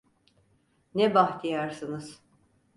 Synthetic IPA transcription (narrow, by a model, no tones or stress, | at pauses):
nɛbaht̪ijaɾsɯnɯz̥